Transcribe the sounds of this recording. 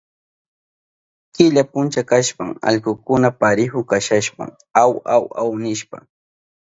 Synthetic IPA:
kɪʎapʊnt͡ʃakaʃpaŋa̰ʎkʊkʊnapaɾɪɦʊkaʃaʃpa̰ŋ | awawa̰wnɪʃpa̰

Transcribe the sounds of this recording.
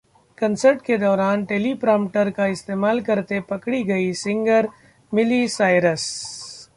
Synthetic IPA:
kɐ̃nsəɾʈked̪ɔːɾaːnʈeːlipɾãːmpʈəɾkaɪst̪eːmaːlkɐɾt̪epɐkɽiɡɐisɪ̃ŋɡəɾ | mɪlisaːɪɾəs

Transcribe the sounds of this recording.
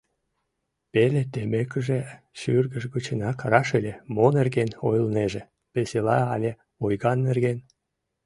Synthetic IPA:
pelet̪emekəʒe | ʃyrɣəʃɣut͡ɕenɑkrɑʃelʲemonerɣenojəlneʒĕ | peselɑɑlʲe | ojɣɑnːerɣen

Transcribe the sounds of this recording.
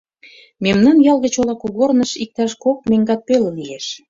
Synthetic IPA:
memnɑnjɑlɣə̆t͡ɕolɑkuɣornəʃik̚t̪ɑʃkok̚meŋɡɑt̪̚peləlieʃ

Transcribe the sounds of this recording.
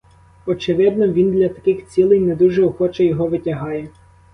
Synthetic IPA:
ɔt͡ʃɪʋɪd̪nɔʋʲind̪lʲɐt̪ɐ̥kɪxt͡sʲilˠɪjnɛd̪uʒɛɔxɔt͡ʃɐjɔɦɔʋɪtʲɐɦɑjɛ

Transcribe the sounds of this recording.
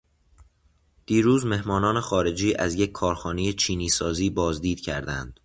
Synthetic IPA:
d̪̥iːɾuːzme̞hmɒːnɒːne̞xɒːɾe̞d͡ʒiːʔæzjecʰːɒːɾxɒːnejet͡ʃʰiːniːsɒːziːbɒːzd̪iːd̪̥cʰæ̰ɾd̪æ̰nd̪̥

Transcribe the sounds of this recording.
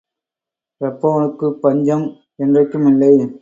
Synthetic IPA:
ɐpːɐʋɐnɯkːɯpɐɲd͡ʒɐm | ɛndrɐkːɯmɪlːɐɪ

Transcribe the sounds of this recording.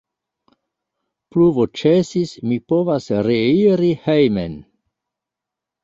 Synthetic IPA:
pluvot͡ʃesismipo̞vasɾeiɾihejmen

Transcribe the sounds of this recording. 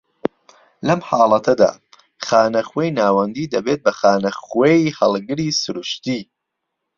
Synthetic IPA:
lɐmħɑːlˠɐt̪ʰɐd̪a̰ː | xaːnɐxwejnaːwɐnd̪iːd̪ɐbeːt̪̚bɐxaːnɐxwejhɐlˠɡɨɾiːsʊɾuʃt̪iː

